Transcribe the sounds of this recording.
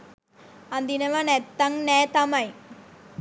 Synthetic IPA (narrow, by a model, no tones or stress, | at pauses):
ɐnd̪inɐʋɐnɛt̪ːɐŋnɛːt̪ɐmɐj